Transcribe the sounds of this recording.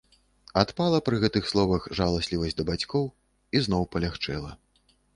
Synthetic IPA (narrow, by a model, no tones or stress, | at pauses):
at̪palˠɐpɾɨɣɛt̪ɨxslˠɔvɐxʐalˠasʲlʲivɐsʲd̪ɐbat͡sʲkɔw | iznɔwpɐlʲaxt͡ʂɛlˠɐ